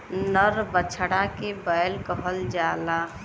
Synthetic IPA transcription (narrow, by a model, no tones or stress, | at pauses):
nəɾbət͡ʃʰɽakebəjlkəɦəld͡ʒala